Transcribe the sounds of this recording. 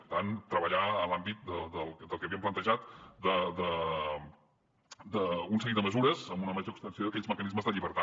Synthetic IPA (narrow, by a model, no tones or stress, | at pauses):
əɾt̪ant̪ɾəβəʎaəlambit̪̚d̪əd̪əlˠd̪əlˠkəβiəmplənt̪əʒat̪d̪əd̪ə | d̪əuns̬əɣit̪əməzuɾəzəmbunəməʒoəkst̪ənsjoðəkɛʎzməkənizməzðəʎiβəɾt̪a